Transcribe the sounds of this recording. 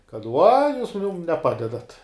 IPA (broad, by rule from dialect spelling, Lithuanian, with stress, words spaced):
kɐt ˈʋʊɐ ˈjuːs ˈmʊm nʲɛˈpɑːdʲɛdɐtʲ